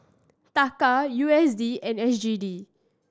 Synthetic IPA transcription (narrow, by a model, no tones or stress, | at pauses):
t̪akajuɛsdiɛ̃nɛsd͡ʒidi